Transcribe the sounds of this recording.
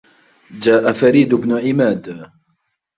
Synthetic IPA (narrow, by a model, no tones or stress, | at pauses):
d͡ʒaːʔafaɾiːd̪ʊbnʊʕɪmaːd̪